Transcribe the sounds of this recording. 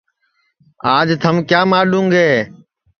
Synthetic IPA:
aːd͡ʒt̪ʰəmkjaːmaːlũːŋɡɦeː

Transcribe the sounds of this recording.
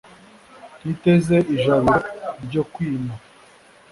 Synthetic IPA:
nite̞ze̞iʒaβoɾɟo̞kwiːma

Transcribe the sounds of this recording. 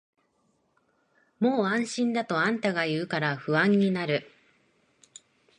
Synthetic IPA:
mo̞ːãɰ̃ɕĩnd̪at̪o̞ãnt̪aɡajɯ̟ːkaɾaɸɯ̟βãɲ̟ːinaɾɯ̟

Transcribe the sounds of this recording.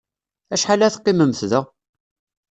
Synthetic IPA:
æʃħalæθqːiməmθðə

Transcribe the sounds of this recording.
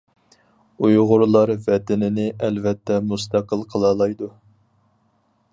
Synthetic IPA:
ujʁʊɾlˠɑɾvɛt̪ɪnɪnɪʔɛlvɛt̪ʰːɛmust̪ʰɑqʰəlˠqʰəlˠɑlˠɑjd̪u

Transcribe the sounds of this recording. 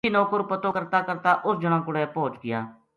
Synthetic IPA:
iːnoːkəɾpət̪oːkəɾt̪aːkəɾt̪aːʔʊsd͡ʒʊɽ̃ãːkʊɽɛːpoːt͡ʃɡɪja̰ː

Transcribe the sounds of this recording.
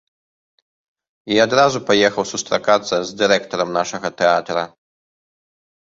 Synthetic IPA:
iad̪ɾazupajɛxɐwsust̪ɾakat̪sːɐzd̪ɨɾɛkt̪ɔɾɐmnaʂɐɣɐt̪ɛat̪ɾɐ

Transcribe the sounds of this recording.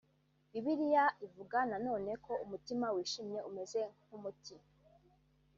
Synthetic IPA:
iβiɾijaʔivuɡanano̞ːne̞kʰo̞umutimawiːʃimɲeume̞ze̞ŋ̥humuti

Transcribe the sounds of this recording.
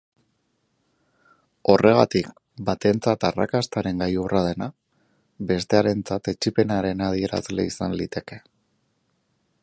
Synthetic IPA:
o̞rʔe̞ɣ̞at̪ik | bat̪e̞nt͡sat̪ara̰kast̪aɾe̞ŋɡajurað̞e̞na | be̞st̪e̞aɾe̞nt͡sat̪e̞t͡ʃipe̞naɾe̞nað̞ie̞ɾa̰zle̞̰isanlit̪e̞ke̞

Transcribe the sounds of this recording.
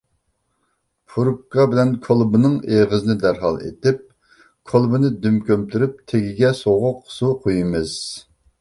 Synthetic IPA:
pʰuɾup̚kʰɑbɪlɛnkʰolˠbɨnɨŋeʁɨzɨnɪd̪æɾɦɑ̰lˠḛt̪ɪp̚ | kʰolˠbɨnɨd̪ymkʲømt̪ʰyɾyp̚t̪ʰeɡʲiɡʲɛsoʁʊqsuqʰojɨmɨz̥

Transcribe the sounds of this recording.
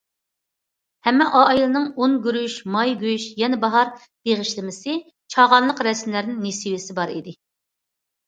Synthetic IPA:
hɛmːɛʔɑjilˠɨnɨŋonɡʲyɾyʃmɑjɡʲyyʃjɛnɛbɑɦɑɾ | b̥eʁɪʃlɪmɪsɪ | t͡ʃʰɑʁɑnlˠəqɾɛsmlæɾnɪŋnesiwɪsɪbɑɾḭd̪ɪ

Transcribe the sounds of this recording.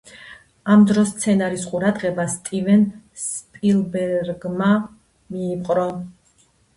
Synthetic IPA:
amd̪ɾɔst̪sʰɛnaɾisqʼuɾad̪ʁɛbast̪ʼivɛnspʼilˠbɛɾɡma | miːpqʼɾɔ

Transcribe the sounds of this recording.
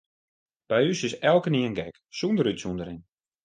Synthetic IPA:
b̥ɛjysɪsɛlˠkəniːənɡɛk | sundəɾytsundəɾɪn

